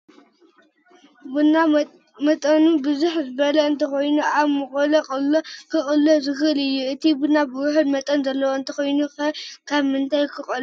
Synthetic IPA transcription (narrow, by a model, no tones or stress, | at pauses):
buna | mɐt̪ʼɐnubɨzuħzɨβɐlɐɨnt̪ʰɐko̞jnuʔaβmɨkʼolɐkʼɨlokʰɨχʼɨlːozɨxɨlɨjːuɨt̪ʰibunːabɨwuħɨnmɐt̪ʼɐnzɐlːɐwoɨnt̪ʰɐxo̞jnuxɐkʰaβmɨnt̪ʰajkʰɨχʼɐl